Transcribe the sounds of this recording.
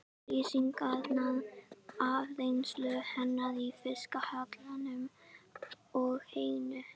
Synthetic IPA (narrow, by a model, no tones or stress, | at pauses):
riːsiŋkaðnaðavðejnslʏhɛnːaðifɪskahat̪lanʏm | ɔɣheːjnʏ